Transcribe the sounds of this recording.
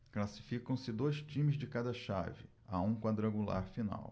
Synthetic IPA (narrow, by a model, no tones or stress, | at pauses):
klasi̥fikɐ̃w̃sɪd̪ojst͡ʃĩmɪzd͡ʒɪkad̪ɐʃa̰vɪ̰ | aũkwad̪ɾɐ̃ɡula̰ɾfina̰w